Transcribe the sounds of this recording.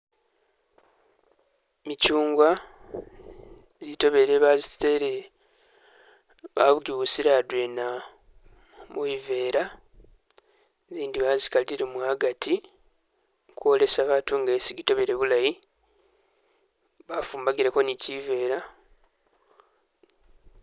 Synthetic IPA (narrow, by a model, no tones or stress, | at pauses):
micuːŋɡwa | zito̞βe̞ɾe̞βazisteɾe | βa̰βuɡiβusiɾadwena | muive̞ːɾa | ziːndiβazikaliiɾemwaɡati | kuole̞saβaːtuŋɡesiɡito̞βe̞ɾe̞βulaji | βafuːmbaɡiɾe̞ko̞nicive̞ːɾa